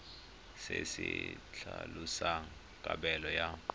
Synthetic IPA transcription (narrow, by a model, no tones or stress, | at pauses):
sesit͡ɬʰalusa | kʼaɓɛlɔjaǃ